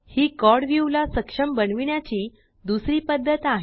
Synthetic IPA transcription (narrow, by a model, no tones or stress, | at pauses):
hiːkɔɽʋjuʋlasəkʂəmbənʋiɳjat͡ɕiː | d̪usɾiːpəd̪ʱːət̪aɦ